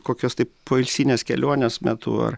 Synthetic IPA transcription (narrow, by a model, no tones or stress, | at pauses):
koːkʲoːst̪ɐɪppoːɪlʲsʲiːnʲeːskʲɛlʲuɔnʲesmʲæt̪ṵːɐ̰ɾ